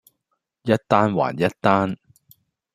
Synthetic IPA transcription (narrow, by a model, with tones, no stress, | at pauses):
jɐ˥t̚t̪aː˥nwa̰ː˨˩njɐ˦˥t̚t̪aː˥n